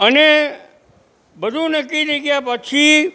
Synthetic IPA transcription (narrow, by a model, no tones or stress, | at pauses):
əne | bəd̪ʱunəkːiɾəiɡəjapət͡ʃʰi